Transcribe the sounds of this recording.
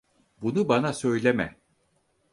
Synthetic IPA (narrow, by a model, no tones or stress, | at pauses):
bunubanasø̞jlʲemɛ̰